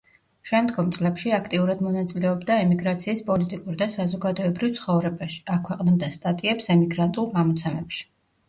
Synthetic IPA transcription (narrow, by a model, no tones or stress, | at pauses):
ʃɛmd̪ɡɔmt̪sʼlɛpʃiakʰt̪ʼiuɾad̪mɔnat̪sʼilɛɔbd̪aɛmiɡɾat̪sʰiːspʼɔlit̪ʼikʼuɾid̪asazɔɡad̪ɔɛbɾivt̪sʰχɔvɾɛbaʃi̥akʰwɛqʼnɛb̚d̪ast̪ʼat̪ʼiɛpsɛmiɡɾant̪ʼulˠɡamɔt̪sʰɛmɛpʃi̥